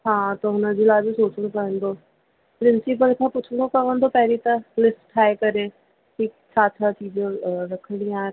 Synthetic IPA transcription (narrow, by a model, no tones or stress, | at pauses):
ɦãːt̪oɦʊnãd͡ʒɪlaːd͡ʒesoːt͡ʃəɽ̃õːkəɾənd̪oː | pɾɪnsɪp̬əlkʰãːpʊt͡ʃʰɽõːkəʋənd̪oːpɛːɾiːt̪ãlɪsʈʈʰːaːjkəɾeː | ki | t͡ʃʰaːt̪ʰaːt͡ʃiːd͡ʒãːɾəkʰɽijãː